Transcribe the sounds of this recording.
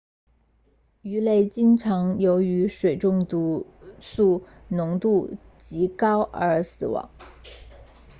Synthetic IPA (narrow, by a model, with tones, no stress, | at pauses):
y˧˥le˥˩ɪt͡ɕi˥ŋʈ͡ʂʰɑ˧˥ŋjo˧˥ʊy˧˥ʂwe˨˩ɪʈ͡ʂʊ˥˧ŋt̪u˧˥su˥˩nʊ˧˥ŋt̪u˥˩ | t͡ɕi˧˥kɑ˥ʊə˞˧˥sɹ̩˨˩wɑ̰˧˥˦ŋ